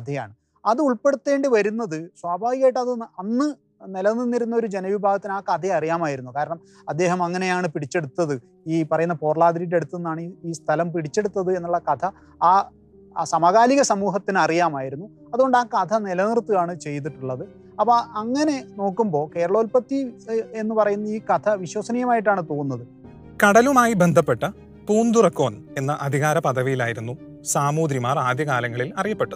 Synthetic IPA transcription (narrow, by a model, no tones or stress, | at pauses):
kɐt̪ʰɐja̰ːɳɨ | ɐðɨuɭpe̞ɽut̪ːe̞ːɳɖɨʋɐɾunːɐðɨswaːbʱaːʋiɣaːjiʈːɐðɨɐnːɨ | nilɐnirnːiɾunːɐo̞ɾud͡ʑe̞nɐʋibʱaːɡɐt̪ːinaːkɐt̪ʰeɐrijaːmaːjiɾunːukaːɾɐɳɐm | ɐd̪ːe̞ːɦɐmɐŋːɐne̞jaːɳɨpiɽit͡ɕːe̞ɽut̪ːɐðɨ | iːpɐrɐjunːɐpo̞ːrɐɭaːd̪iɾile̞ɽut̪ːuenːaːɳiiːst̪ʰɐlɐmpiɽit͡ɕːe̞ɽut̪ːɐðɨe̞nːuɭːɐkɐt̪ʰɐ | aː | sɐmɐɣaːliɣɐsɐmuːɦɐt̪ːinɐrijaːmaːjiɾunːu | ɐðuɣo̞ɳɖaːkɐt̪ʰɐnilɐnirt̪ːujaːɳɨt͡ɕe̞jt̪̬iʈːuɭːɐðɨ | ɐpːoɐŋːɐne̞no̞ːkːumbo̞ːke̞ːɾɐɭoːlpɐt̪ːie̞nːɨpɐrɐjunːɐiːkɐt̪ʰɐʋiɕwɐsɐnijɐmaːjiʈːaːɳɨt̪oːunːɐðɨ | kɐɽɐlumaːjibend̪ʱɐpːeʈːɐ | puːnd̪urɐkːo̞ːne̞nːɐʔɐd̪ʱiɣaːɾɐpɐðɐʋijilaːjiɾunːu | saːmuːd̪ɾimaːraːd̪jɐkaːlɐŋːɐɭilɐrijɐpːe̞ʈːɐð